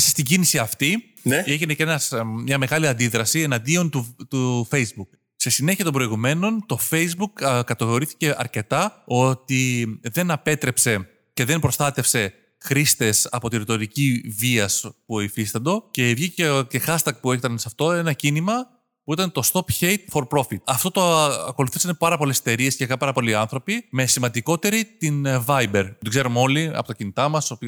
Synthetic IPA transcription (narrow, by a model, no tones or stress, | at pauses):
sst̪iɟinisiɐft̪i | neʝinecenɐsmɲɐme̞ɣɐliɐnd̪iðɾɐsie̞nɐnd̪io̞nt̪ut̪ufejzbuk | sesine̞çiɐt̪o̞mbɾo̞iɣume̞no̞nt̪o̞fe̞jzbukkɐt̪oɣoɾiθi̥ce̞ʔɐɾce̞t̪ɐo̞t̪iðe̞nɐpe̞t̪ɾe̞pse̞ | ce̞ðe̞mpɾo̞sθɐt̪e̞fse̞ | xɾist̪e̞sɐ̰po̞t̪inɾit̪o̞ɾiciviɐspuoifist̪ɐnd̪o̞ce̞ivʝiceexɐst̪ɐk̚pueçet̪ɐnsɐft̪o̞e̞nɐcinimɐ | puit̪ɐnet̪o̞st̪o̞pçe̞jt̪fo̞ɾpɾo̞fit̪̚ɐft̪o̞t̪oɐko̞luθisɐnpɐɾɐpo̞le̞set̪eɾie̞scekɐpɐɾɐpo̞liɐnθɾo̞pime̞simɐnd̪iko̞t̪e̞ɾit̪invɐjbe̞ɾoɡze̞ɾomo̞liɐ̰po̞t̪ɐcinit̪ɐmɐsop